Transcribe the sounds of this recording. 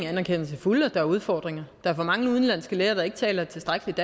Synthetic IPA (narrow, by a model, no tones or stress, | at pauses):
ænæɐkʰen̰ɐsæfulɒd̥ɑ̈æɐuð̞ˠfɒ̰ːd̥ʁeŋɐd̥ɑ̈æɐfɒ̽mɑ̈ŋəuð̞ˠn̩lænsɡ̥əleːɐd̥ɑ̈e̝ɡ̥ət͡sʰɛ̰ːlɐt͡sʰe̝sd̥ʁaɡ̥əlid̥